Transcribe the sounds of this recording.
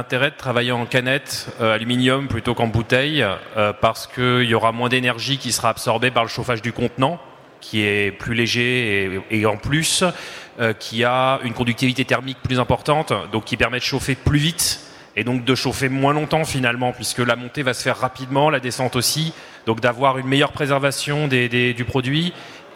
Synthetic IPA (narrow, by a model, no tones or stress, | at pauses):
lɛ̃t̪eʁɛd̪ət̪χavajeɑ̃kanɛt̪øalyminjɔmplyt̪okɑ̃but̪ɛjøpaʁsə̥kəiljɔʁamwɛ̃d̪enɛʁʒikʲisə̥ʁaːbsɔʁbepaʁləʃofaʒd̪ykɔ̃t̪nɑ̃ | kʲʰiɛplyleʒeː | ɑ̃plysøkʲʰiaynkɔ̃d̪yk̚t̪ivit̪et̪ɛʁmik̚plyzɛ̃pɔʁt̪ɑ̃t̪d̪ɔ̃kʲːipɛʁmɛd̪əʃofeplyvit̪ | ed̪ɔ̃k̚d̪əʃofemwɛ̃lɔ̃t̪ɑ̃finalmɑ̃pɥiskəlamɔ̃t̪evasə̥fɛʁːapid̪mɑ̃lad̪esɑ̃t̪osi | d̪̥ɔ̃kd̪avwaʁynmejœʁpχezɛʁvasjɔ̃d̪ed̪ed̪ypχɔd̪ɥi